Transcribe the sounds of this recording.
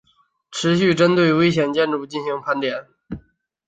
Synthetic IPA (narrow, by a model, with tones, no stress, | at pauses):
ʈ͡ʂʰɻ̩˧˥ɕy˥˩ʈ͡ʂə˥nt̪we˥˩ɪwe˥ɪɕ̬jɛ˨˩nt͡ɕjɛ˥˧nɻu˥˩t͡ɕi˥˩nɕi˧˥ŋpʰa˧˥nt̪jɛ˨˩˦n